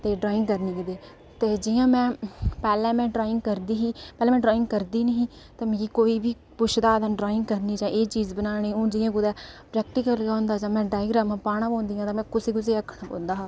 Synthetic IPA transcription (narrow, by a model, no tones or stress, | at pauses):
t̪eːɖɾaːɪ̃ŋɡkəɾniːkd̪eː | t̪eːd͡ʒɪjãːmɛ̃ːpɛːlɛ̃ːmɛ̃ːɖɾaːɪ̃ŋɡkəɾd̪iːɦiːpɛːlɛ̃ːmɛ̃ːɖɾaːɪ̃ŋɡ̚kəɾd̪iːnəɦĩːt̪ãːmeːɾiːkoːiːbiː | pʊʃʰd̪aːd̪ənɖɾaːɪ̃ŋɡkəɾniːd͡ʒãːʔeːt͡ʃiːzbənaːɽ̃eːõːd͡ʒɪjãːkʊd̪ɛːpɾɛːk̚ʈɪkəlõːnd̪aːd͡ʒãːmɛ̃ːɖaːɪɡɾaːmãːpaːɽ̃ãːbõːnd̪ijãːt̪ãːmɛ̃ːkʊsiːkʊs̬eːəkʰːəɽãːpõ̰ːnd̪aːɦaː